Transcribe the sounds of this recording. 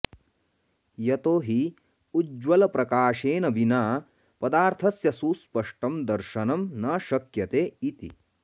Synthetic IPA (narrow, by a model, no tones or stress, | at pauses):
jɐt̪oːɦi | ud͡ʒwɐlɐpɾɐkaːʃeːnɐbʱinaː | pɐd̪aːɾt̪ʰɐsjɐsuːspɐʂʈɐmd̪ɐɾʃɐnɐmnɐʃɐkjɐt̪eːit̪ḭ